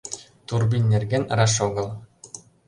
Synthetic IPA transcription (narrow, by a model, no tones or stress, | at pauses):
t̪urbʲinʲːerɡʲenʲɾɑʃoɡɤ̆lˠ